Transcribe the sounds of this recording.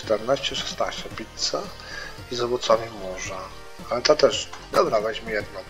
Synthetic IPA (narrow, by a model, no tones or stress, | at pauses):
t̪ɛɾnaɕt͡ɕɛʂɛ̥st̪naɕt͡ɕɛpʲit̪sa | izɔvɔt̪sɔvʲimuʐa | alɛt̪at̪ɛʂd̪ɔbɾavɛd͡ʑmɘjɛd̪nɔ